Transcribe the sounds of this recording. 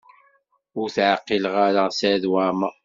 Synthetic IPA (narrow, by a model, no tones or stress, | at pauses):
ʊɾθʕəqːilʁaɾasæðwamə